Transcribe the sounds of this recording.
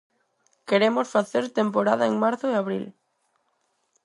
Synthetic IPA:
keɾemosfaθeɾt̪empoɾað̞aeŋmaɾθoeaβɾḭl

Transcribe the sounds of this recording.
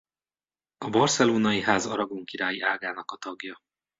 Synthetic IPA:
ɒbɒrsɛloːnɒjiɦaːzɒɾɒɡoŋkiɾaːjiaːɡaːnɒkɒt̪ɒɡjɒ

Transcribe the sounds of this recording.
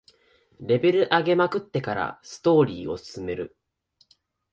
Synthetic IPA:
ɾe̞be̞ɾɯ̟ʔaɡe̞makɯ̟t̪ːe̞kaɾa̰sɨ̥t̪o̞ːɾʲiːo̞̰sɨ̥sɨme̞ɾɯ̟

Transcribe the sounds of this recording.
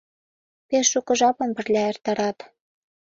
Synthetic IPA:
peʃːukɤ̆ʒɑpɤ̆npɘ̆rlʲæert̪ɑɾɑt̪

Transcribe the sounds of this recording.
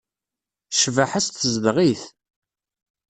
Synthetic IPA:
ʃvaħast̪əzd̪ʁiθ

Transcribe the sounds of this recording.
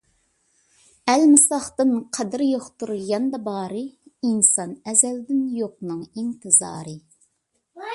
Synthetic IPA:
ɛlmɨsɑχt̪ɨnqʰɛd̪ɪɾjoχt̪uɾulˠɡɑnd̪ɑbɑːɾɨinsɑnɛzɛld̪ɪnjoq̚nɨŋint̪ʰɨzɑ̰ːɾɨ

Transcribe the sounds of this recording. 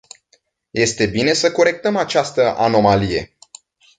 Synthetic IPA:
je̞st̪e̞bine̞səko̞ɾe̞k̚t̪əmat͡ʃast̪əʔa̰no̞malije̞̰

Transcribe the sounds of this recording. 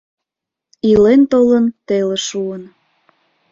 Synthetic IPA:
ilent̪olənt̪eleʃuən

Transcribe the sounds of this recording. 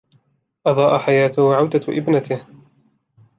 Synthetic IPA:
ʔɑðˤɑːʔaħajaːt̪ʊhwʕawd̪aʔɪ̰bnat̪ɪh

